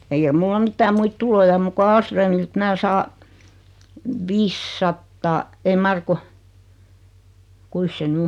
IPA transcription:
eikæ mulːɑ mitːæː muit tulojɑ om muk ku ɑːlsrøːmilt mæː sɑː ʋisːɑtːɑː ei mɑr ku kuis se ny

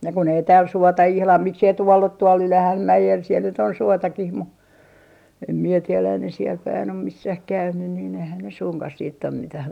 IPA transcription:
jɑ kun ei tæːl suotɑ ihlɑm miksei tuolː o tuol ylæhæmːæjel siel nyt on suotɑkih mu em mie tielæ ei ne siel pæin om misːæh kæynyn niːn eihæn ne suŋkɑh siːt om mitæh

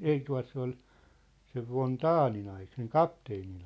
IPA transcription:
ei tuɑ̝t se ol seʋ ʋon tɑːnin ɑi seŋ kɑpteːnin

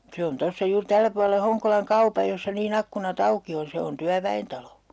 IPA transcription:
se on tosːɑ juːr tælːæ puɑle hoŋkolɑŋ kɑupɑj josːɑ niːn ɑkːunɑt ɑuki on̞ se on tyæʋæentɑlo

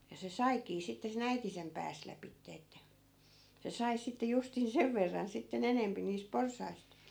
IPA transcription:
jɑ se sɑikiː sitːe sen æiti sem pæːs læpitːe etːæ se sɑi sitːe justin seʋ ʋerːɑn sitːen enempi niːs porsɑist

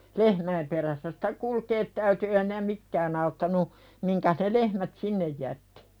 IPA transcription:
lehmæim peræsːæ sitæ kulkeːt tæyty eː hinæ mikːæːn ɑutːɑnu miŋkæs ne lehmæt sinːej jætːi̥

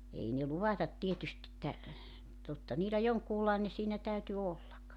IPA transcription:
ei ne luʋɑtɑt tietyst etːæ totːɑ niːlæ joŋkuːlɑene siːnæ tæyty olːɑk

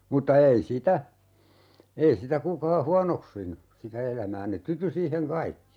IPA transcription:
mutːɑ ei sitæ ei sitæ kukɑː huɑnoksinu sitæ elæmæː ne tyty siːheŋ kɑikːi

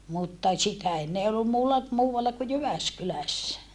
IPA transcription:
mutːɑ sitæ enːe eː olːum muːlːɑ muːwɑlːɑ ku jyʋæskylæsːæ

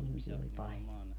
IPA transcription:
ihmisiɛ olʲ pɑlʲjo

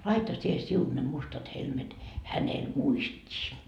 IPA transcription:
lɑitɑ sie siun ne mustɑt helmet hænel muistʲiː

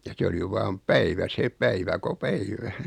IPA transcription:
jɑ se oli ʋɑːm pæiʋæ se pæiʋæ ko pæiʋæ

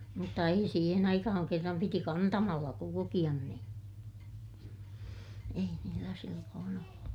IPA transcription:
mutːɑ ei siːhen ɑikɑhɑŋ kerːɑm piti kɑntɑmɑlːɑ kulukij̆ɑn nĩː ei niːlːæ silːoːn olːu

